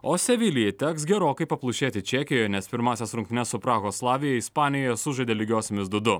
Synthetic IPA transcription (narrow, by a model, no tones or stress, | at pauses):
oːsʲɛʋʲɪlʲɪjɛt̪ʲæːks̬ɡʲɛɾoːkɐɪpɐplˠʊʃʲeːt̪ʲɪt͡ʃʲɛkʲɪjɔjnʲɛspʲɪɾmɑːsʲɛsɾʊŋkt̪ʲnɛsʊpɾɑːɣoːslˠɑːʋʲɪjɛispɑːnʲɪjoːjɛsʊʒɐd̪ʲeːlʲɪɡʲoːsʲɛmʲɪsd̪ʊd̪ʊ